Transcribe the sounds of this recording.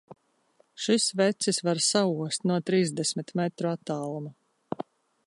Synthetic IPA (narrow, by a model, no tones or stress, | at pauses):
ʃisvɛt̪sisvaɾsauɔst̪nuɔt̪ɾiːzd̪ɛsmit̪mɛt̪ɾuat̪ːɑːlˠuma